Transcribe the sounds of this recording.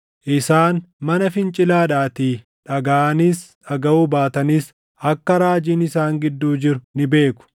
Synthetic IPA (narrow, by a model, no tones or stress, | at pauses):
ʔɪsaːnmɐnɐfɪnt͡ʃʼɪlaːᶑaːt̪iː | ᶑɐɡaʔɐniːsᶑɐɡɐuːbaːt̪ɐnɪs | ɐkːɐɾaːd͡ʒiːnɪsaːŋɡɪd̪ːuːd͡ʒɪɾʊnɪbe̞ːkʊ̥